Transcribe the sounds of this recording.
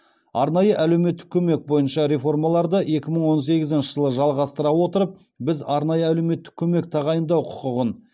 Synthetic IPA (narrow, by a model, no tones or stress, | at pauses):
ɑɾnɑjəʔælewme̞t̪ːɪ̥kʲʰɵme̞k̚bo̞jənʃɑɾe̞fo̞rmɑlˠɑɾd̪əe̞kʲɪməɴwo̞ns̬e̞ɡʲɪzɪnʃɪʒəlˠəʒɑlˠʁɑst̪əɾɑwo̞t̪əɾəp̚ | bɪzɑɾnɑjəælewme̞t̪ːɪ̥kʲʰɵme̞k̚t̪ʰɑʁɑjənd̪ɑwqʰʊ̥qəʁən